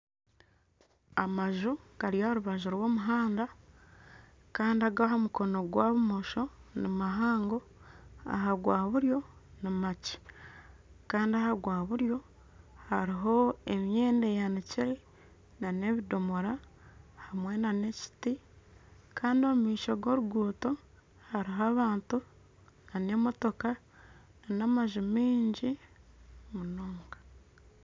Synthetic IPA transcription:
amaʒuɡ̥aɾijaoɾuβaʒuɾwo̞ːmuɦaːnda | kaːndiaɡaɦomuko̞no̞ɡwaːβumoʃo̞nimaɦaːŋɡo̞ | a̰ɦaɡwaːβuɾjo̞nimaci̥ | kaːndiahaɡwaːβuɾjo̞ | haɾiɦo̞e̞mjeːndejaniciɾe | nane̞βido̞moɾa | hamwe̞nane̞ci̥ti | kaːndiomumiːʃoɡo̞ːɾuɡuːto̞ | haɾiɦoaːβaːntu | nane̞mo̞to̞ka | nanamaʒumiːɲɟi | munoːŋɡḁ

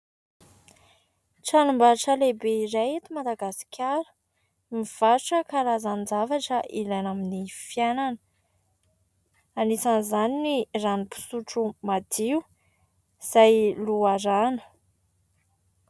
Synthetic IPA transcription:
ʈ͡ʂalumbaʈ͡ʂəlebeiɾajet̪imad̪aɡasi̥kʰʲaɾə̥ | miv̥auʈ͡ʂəkaɾazand͡zavaʈ͡ʂəʔilajnaminifjananə | anisanzaniniranipu̥suʈ͡ʂumad̪iu | z̥ajluaɾanə̥

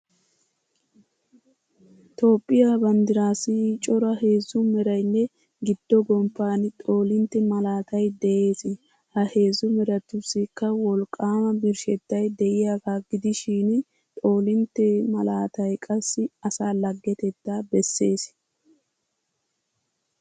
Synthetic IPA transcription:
t̪o̞ːpʼːɪjabɐnd̪ɪɾaːsɪt͡ʃʼɔɾɐhe̞ːzːʊmɛɾɐjnːɛ | ɡɪd̪̥ːɔɡɔmpːaːnɪt̪ʼo̞ːlɪnt̪ːɛmɐlaːt̪ɐjd̪ɛʔe̞ːsɪ | hɐhe̞ːzːʊmɛɾɐt̪ːʊsːɪkːɐwɔlkʼːaːmɐbɪɾʃɛt̪ːɐjd̪ɛʔɪjaːkaːɡɪd̪ɪʃiːn | t̪ʼo̞ːlɪnt̪ːɛmɐlaːt̪ɐjkʼɐsːɪɐsaːlɐɡːɛt̪ɛt̪ːaːbɛsːe̞ːs

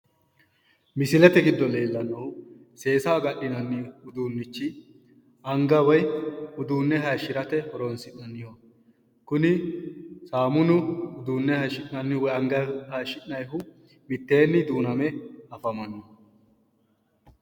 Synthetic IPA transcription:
mɪsɪlɛt̪ɛɡɪd̪ːɔle̞ːlːɐnɐw | se̞ːsaːɡɐɗːɪnɐnːɪʊd̪uːnːɪt͡ʃːɪ | ɐŋɡɐwɐjʊd̪uːnːɛɦɐjʃɪɾɐt̪ɛhɔɾɔnsɪʔɐnːɪjo | kʊnɪ | saːmʊnʊʊd̪uːnːɛhɐʃɪʔnɐnːɪwɔjɐŋɡɐhɐʃɪnnɐjɦʊ | mɪt̪ːe̞ːnːɪd̪uːnɐmɛɐfɐmɐnːo

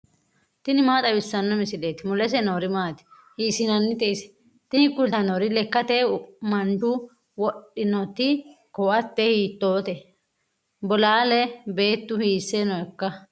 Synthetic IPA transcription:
t̪ɪnɪmaːt̪ʼɐbɪsːɐnːɔmɪsɪleːt̪ɪmʊlɛs̬ɛnoːɾɪmaːt̪ɪ̥ | hiːsɪnɐnːɪt̪ɛsɛ̥ | t̪ɪhɪkːʊlt̪ɐnoɾɪlɛkːɐt̪ɛmɐnd̪ʊ | wɔɗɪnɔt̪ːɪ | kɔwɐt̪ːɛhiːt̪ːoːt̪ɛ | bɔlaːlɛbe̞ːt̪ːʊhiːsːenɔɛkːɐ

